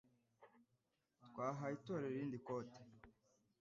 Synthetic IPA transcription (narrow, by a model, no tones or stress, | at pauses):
tkwaːɦaitoɾeɾiːndikote̥